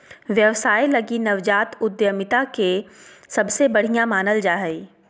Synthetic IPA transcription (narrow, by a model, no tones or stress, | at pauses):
ʋjɐʋsaːilɐɡinɐʋd͡ʒaːt̪ʊd̪jəmɪt̪akesɐbsebɐɽ̤ijãmaːnəld͡ʒaːɦəi